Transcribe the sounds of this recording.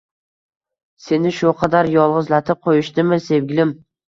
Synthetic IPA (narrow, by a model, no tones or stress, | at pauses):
se̞nɪʃʊqʰɑd̪aɾjɒlˠʁɨzlat̪ʰɪp̚qʰojɪʃt̪ɪmɪse̞vɡʲɪlɪm